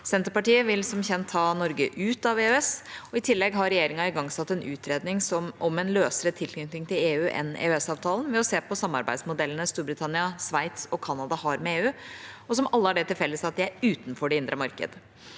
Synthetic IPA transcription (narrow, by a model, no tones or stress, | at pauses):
sɛnt̪əɾpɑʈiːəʋɪlsɔmçɛnt̪ʰːɑːnɔɾɡəʔʉːt̪ɑʋeːøɛsɔɪt̪ʰɪlːɛɡɦɑɾɛjeːɾɪŋɑɪɡɑŋːsɑt̪ːɛnʔʉ̰ːt̪ʰɾeːd̪nɪŋsɔmʔɔmɛnløːsəɾət̪ʰɪlkʏŋt̪ɪŋt̪ʰɪleːʉːʔɛ̰nḛːœɛsɑːʋt̪ʰɑːlənʋɛɔseːpɔsɑmːɑ̰ɾbæ̰ɪd̪smʊd̪ɛlːənəst̪uːɾbɾɪt̪ʰɑnɪɑsʋæɪt̪sɔkʰɑnɑd̪ɑhɑɾmɛeːʉːɔsɔmɑlːəhæɖɛt̪ʰɪlfɛlːəsɑt̪̚d̪ɪæɾʉːt̪n̩fɔɖɛɪnd̪ɾʔəmɑɾkə̰d̪